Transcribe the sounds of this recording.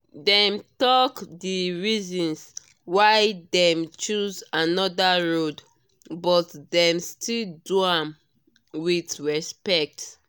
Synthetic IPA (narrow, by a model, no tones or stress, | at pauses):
dɛ̃mtɔkdiɹizɔ̃ns | waɪdɛ̃mt͡ʃuzanɔdaɹod | bɔtdɛ̃mstilduãm | witɹɛspɛk̚t